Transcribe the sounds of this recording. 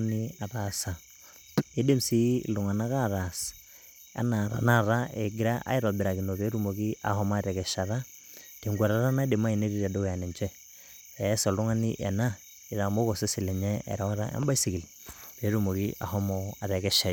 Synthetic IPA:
ni˦a˨ɾasa˨ | e˦de˦msi˦lu˨ŋa˨na˦ka˦ɾas | a̰˨naɾa̰na˦ɾae˨ɡɪ˦ɾaʔa̰˦i˦ɾɔ˨bɪ˨ɾa˨ki˨no˨βe˦ɾumo˨ki˦a̰˨hɔ˦maɾɛ˨kɛʃaɾa˦ | te˨ŋɡa˨ɾaɾa˦na˦de˨ma˦i˨ne˦ɾi˦ɾa˨do˦ja˨nɛ˨ɲt͡ʃɛ˦ | ɛsɔlʊ˦ŋa˦nḭʔɛ̰˨na˦ | i˨ða˨mbo˦kɔse˦sɪ˨lɛ˨ɲɛɛ̰˨ɾa˦ɾa̰˦ʔɛ̰˦mba˦isi˨ki˨l | pe˨ɾumo˨kiʔa̰˨hɔmɔa˨ɾɛ˨kɛ˦ʃa˨i

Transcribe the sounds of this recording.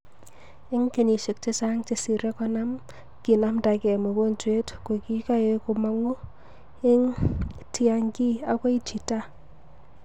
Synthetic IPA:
ɪ˦ŋke˨ni˨ʃe˨k̚t͡ʃe˦sa˦ŋt͡ʃe˨si˨ɾe˦kɔ˦na˦m | ki˨na˦mta˨kɛ˨mo˨ko˦nt͡ʃwe˦tko˨ki˦ka˦je˦ku˨ma˦ŋu˦ | ɪ˦ŋtia˦ŋki˦a˨ko˦i˦t͡ʃi˨ta˦

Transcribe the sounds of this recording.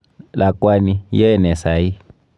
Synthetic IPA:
la˨kwa˧nĩ˧je˦e˨nẽ˨sa˨i˦

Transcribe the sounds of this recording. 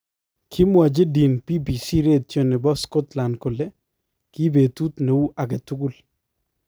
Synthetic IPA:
kʰi˦mwa˨d͡ʒe˦di˨npi˦bi˨si˦ɾe˦t̪̚t͡ʃo˦ne˨bɔ˦skɔ˦t̪la˨ndko˨le˦ | ki˦be˨t̪u˦t̪ne˨u˦ʔa˨ɡe˨tu˦ɡu˦˨l

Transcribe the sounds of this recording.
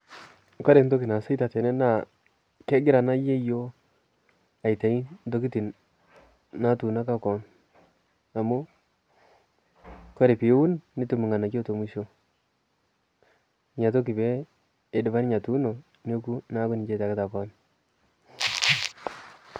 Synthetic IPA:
kɔ˦ɾɛ˨ndo˦ki˨na˨se˦ta˨te˨ne˦na˦˨ | ke˦ɡɪ˦ɾa˨na˦je˦jo˦ | a˨i˨ta˨i˦n˦do˦ki˦ti˨n | na˦tu˨na˦ka˦kɔ˨˦n | a˨mu˦ | kɔ˦ɾe˨pɪ˨jwu˦nːi˦tu˨mu˨ŋa˨na˨t͡ʃo˦to˨mu˦ʃo˦ | ɲa˨t̬o˦k̬i˨beː˦˨ | dɪ˨ba˦n˦ɲa˨tu˦no˨ | ne˦ku˦na˦ku˦ni˨d͡ʒe˦ta˨ka˦ta˨kɔ˦n

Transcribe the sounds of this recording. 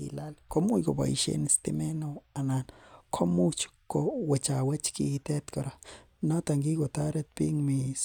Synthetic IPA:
ḭ˨la˦lko˦mu˦jko˨ba̰˨ḭʃḛni˨st̪ḭme˦no˨a˨na˨nkʰo˦mu˦t͡ʃkowe˨t͡ʃa˨wa˦t͡ʃkḭt̪ɛ˦t̪ko˨ɾa | na˦t̪a˨ŋɡi˦ɡo˨t̪a˦ɾe˦t̪̚pḭ˦ŋmis

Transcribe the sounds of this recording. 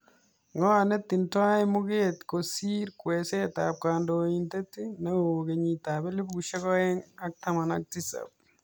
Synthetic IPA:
ŋɔ˦ane˦tːi˨ntwa˦ɪ˦mu˦ketko˨si˦ɾkwe˨se˦ta̰p̚kaː˨ndointe˦ti˦neoke˨ɲi˨tabe˦li˦bu˨ʃe˦ɣɔ˦e˦ŋak̚tama˨na̰˦k̚ti˦sa̰p̚

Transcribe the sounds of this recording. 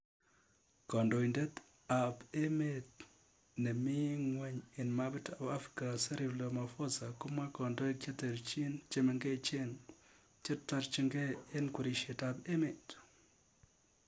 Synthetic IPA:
kɔ˨ndɔ˨i˨nde˦t | a˨pe˦me˦t | nɛ˨mɪ˦ŋwɛ˦ɲe˨nma˦bi˦ta˨ba˦fɾi̥˨ka˨se˦ɾi˨blo˨ma˨fo˦sa˨ko˦ma˦kɔ˨ndo˦e˦kje˦te˨ɾt͡ʃe˦nt͡ʃe˦me˨ŋɡe˦˨t͡ʃe˦n | t͡ʃe˦tːa˦ɾt͡ʃe˦ŋɡe˦e˦nku˨ɾi˨ʃe˨ta˨be˦me˨t

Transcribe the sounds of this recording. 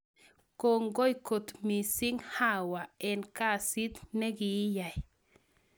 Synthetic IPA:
kɔ˨ŋɡɔ˦jkɔ˨t̪mi˨si˦ŋha˦wa˨ɛ˨nka˦si˦t̪nɛ˦ɡi˨˦ja˨j

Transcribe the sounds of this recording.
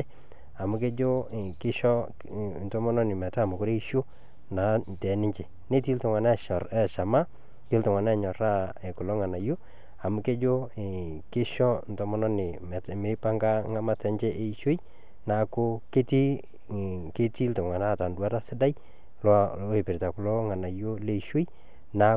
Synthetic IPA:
a˨mʊ˦ke˦d͡ʒo˦˨kɪ˦ʃɔ˦ | ntɔ˨˦mɔ˦nɔ˦nɪ˨mɛ˨ta˦˨mʊ˨ko˦ɾe˦i˦ʃo˦ | na˨˦ntɛ˨nɪ˦ɲt͡ʃe˨ | ne˦t̬i˦ltʊ˨ŋa˨na˦˨ʃɔ˨ɾɛ˦ʃa˨ma˦ | ke˦ltʊ˨ŋwa˨na˦˨ɲɔ˨ra˦ | ɛ˨kʊ˨lɔ˦ŋa˨na˨jʊ˦ | a˨mʊ˦ke˦d͡ʒo˦˨ | ke˦ʃɔ˦ntɔ˨˦mɔ˦nɔ˦nɪ˨m˨me˦pa˦ŋɡa˦ŋa˦ma˦tɛ˨ɲt͡ʃɛ˦ʔe˦i˦ʃo˦j | na˨ko˦ke˦ti˦ | ke˦ti˦ltʊ˨ŋa˨na˦˨ta˨ndwa˦ta˦sɪ˦da˦j | le˨pɪ˨ɾta˨ko˨lo˦ŋa˨na˨jo˦le˦iʃo˦j | na˨

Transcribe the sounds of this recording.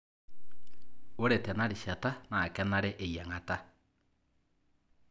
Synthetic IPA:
o˦ɾe˨tɛ˨na˦ɾi˨ʃa˨ta˦na˨kɛ˦na˦ɾe˦ʔe˨ja˨ŋa˨ta˦

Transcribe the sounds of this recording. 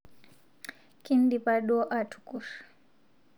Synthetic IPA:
ki˦ndi˨pa˦ɗɔ˦ʔa˨tʰu̥ku˨ɾḁ

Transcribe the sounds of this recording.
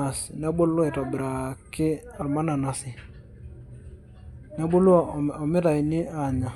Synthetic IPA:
a˨sna˦bo˦lʊ˦ɛ˨tɔ˨bɪ˨ɾa˨kɪ˦a˨ma˦na˨na˨sɪ˨ | na˦bo˦lu˦ɔ˦˨ɔ˨mɪ˦ɾa˨ɪ˨nɪ˦a˨ɲa˨

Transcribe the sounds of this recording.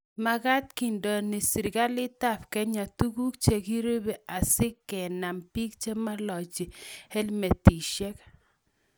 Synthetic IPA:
ma˨ka˦t̚ki˨ndɔ˨nɪ˨si˨ɾka˦lɪ˦ta˦fkɛ˦ɲa˨tu˦ku˦kt͡ʃe˨ki˦ɾo˦be˨ʔa˨sɪ˦kːɛ˨na˨mpi˦k̚t͡ʃe˦ma˦lɔ˨t͡ʃɪ˨he˦lme˨ti˨ʃɛ˦k

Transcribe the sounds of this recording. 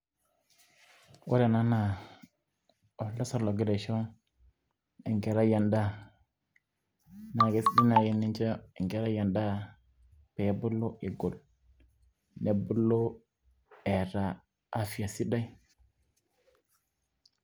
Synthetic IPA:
wo̰˦ɾe˨na˦na˨ | o˨la˦sa˦ɾlo˨ɡi˦ɾe˨ʃo˦ | ḭ˨ŋke˨ɾa˦ja˨nda˦ | na˨ɡe˨si˦di˦na˨je˦ni˦nt͡ʃo˦i˨ŋke˨ɾa˦ja˨nda˦ | pe˨˦bu˦lo˦ʔi˨ɡo˨l | ne˨bu˦lo˦ | e˨ɾaː˨˦ | fi˨ja˨si˦da˦i˦

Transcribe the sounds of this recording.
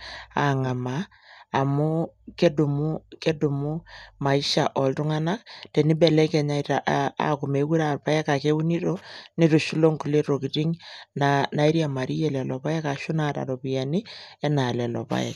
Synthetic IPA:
a̰˨ŋa˨maː˨ | mʊ˦ke˦du˨mu˦ke˦du˨mu˦ma˨i˦ʃa˨ʔɔ˨ltu˦ŋa˦na˦ktɛ˨ni˦bɛ˨lɛ˦kɛ˨ɲa˦i˨ta˨ʔa̰˨ku˨me˨˦ku˦ɾa˨pa˦jɛ˦ka˨ke˦wu˦ni˦to˦ni˦to˨ʃu˦lo˦ŋku˨le˦to˨ki˨ti˦ŋnana˨i˦ɾija˨ma˨ɾi˦jɛ˨lɛ˨lɔ˨pa˦jɛ˦ka˨ʃʊ˦na˨ta̰˨ɾɔ˨pi˨ja˨ni˦ɛ˦na˨lɛ˨lɔ̰˨pa̰˦jɛ̰˨k

